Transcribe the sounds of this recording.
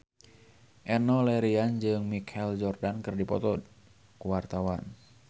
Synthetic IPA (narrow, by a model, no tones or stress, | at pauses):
ʔɛnɔlɛɾiand͡ʒɨŋmikʰɛld͡ʒɔrdankɨrdipɔ̰t̪ɔd̚ | kuwart̪awan